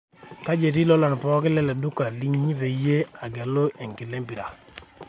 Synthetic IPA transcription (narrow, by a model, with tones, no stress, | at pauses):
ka˦d͡ʒe˨t̬i˦lɔ˦lɔ˨n˨pɔ˦kɪ˦lɛ˦le˨du˦ka˨li˦ɲːi˦pe˨je˦a˨ɡɛ˨lo˦ʔe˨ŋkɪ˨le˦mpi˨ɾa˨